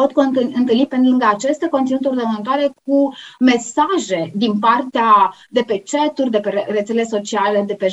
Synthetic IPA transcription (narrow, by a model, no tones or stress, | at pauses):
ot̪koɨnt̪ɨlnipenlɨŋɡaːt͡ʃe̞st̪akot̪inut̪urd̪evənnt̪oaɾe̞k̚ume̞saʒe̞d̪inpart̪ea | d̪e̞pe̞t͡ʃet̪urʲd̪e̞peeret̪sele̞so̞t͡ʃiale̞d̪e̞pe